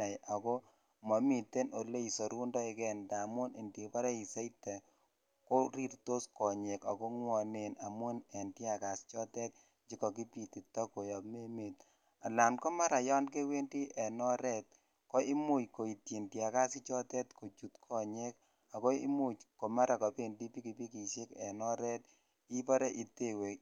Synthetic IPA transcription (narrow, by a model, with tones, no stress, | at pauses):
a˨ja˨ko˦ | ma˨mi˨te˦no˨le˦i˨so˨ɾu˦ndɔ˦ɪ˨kɛ˦nda˨mo˦ni˨ndi˨pa˦ɾe˦i˨se˦itɛ˨ | ko˦ɾi˦ɾto˦skɔ˨ɲe˨ka˨ko˦ŋwɔ˨ne˨na˨mu˦nɛ˨nti˦a˨ka˨st͡ʃɔ˦tɛ˦t̚ | d͡ʒi˦kɔ˨ki˦pi˨ti˨tɔ˦ko˨jɔ˨pme˦me˨t̚ | a˨la˨nkɔ˦ma˦ɾa˨jɔ˦nke˦we˦ndi˦ʔɛ˨nɔ˦ɾɛ˦t̚ | kɔ˦i˦mu˦jko˨i˨tji˨ndja˨ka˦si˦t͡ʃɔ˦tɛ˦tko˨t͡ʃu˨tkʰɔ˨ɲe˦k | a˨kɔ˦ḭ˦mu˦˨t͡ʃkɔ˨ma˦ɾa˨kɔ˨pe˦˨ndi˦pi˦ki˨pi˦ki˨ʃe˦kɛ˨nɔ˦ɾɛ˦t̚ | i˦pɔ˦ɾe˦ʔi˨te˦˨we˨